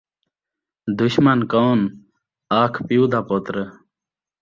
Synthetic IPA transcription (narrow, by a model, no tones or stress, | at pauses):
d̪uɕmɐnkaːn | aːkʰpiud̪apot̪ɾə